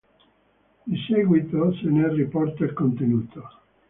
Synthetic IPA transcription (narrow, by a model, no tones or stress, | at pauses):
d̪iseɡwit̪osenɛripɔrt̪eɾkont̪enuːt̪ʰo